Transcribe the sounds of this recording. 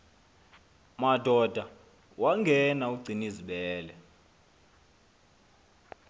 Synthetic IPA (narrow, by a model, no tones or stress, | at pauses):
madʱɔdʱa | waŋɡʱɛnauɡ͡ǀʱiniziɓɛːlɛ